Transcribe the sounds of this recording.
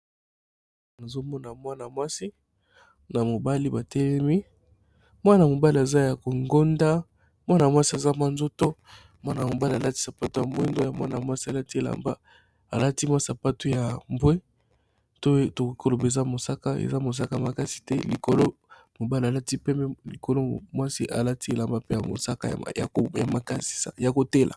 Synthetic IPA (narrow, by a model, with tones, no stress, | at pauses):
na˨zo˦mɔ˦na˨mwa˦na˨mwa˦si˦ | na˨mo˨ba˦li˦ba˨tɛ˦lɛ˦mi˦ | mwa˦na˨mo˨ba˦li˨a˨za˦ja˨ko˨ŋɡo˦nda˦ | mwa˦na˨mwa˦si˦a˨za˦ma˦nzo˦to˦ | mwa˦na˨o˨ba˦li˨a˨la˦ti˦sa˨pa˦to˦ja˨mbe˦ndo˦ja˨mwa̰˦na̰˨mwa˦si˦a˨la˦ti˦e˦˨la̰˨mba̰˦ | a˨la˦ti˦ma˦sa˨pa˦to˦ja˨mbwe˦ | to˦to˨i˨ko˦lo˨be˨za˦mo˨sa˦ka˦ḛ˨za˦mo˨s̬a˦ka˨ja˨ma˨ka˦si̥˨tɛ˦li˨ko˨lo˦ | mo˨ba˦li˨a˨la˦ti˦pɛ˦mɛ˦li˨ko˨lo˦mwa˦si˦ʔa̰˨la˦ti˦e˨la˨mba˦pe˦ja˨mo̰˨sa˦ka̰˦˨ja̰˨o˨ja̰˨ma˨ka̰˦si̥˦sa̰˨ja˨ko˨te˦lʔa̰˨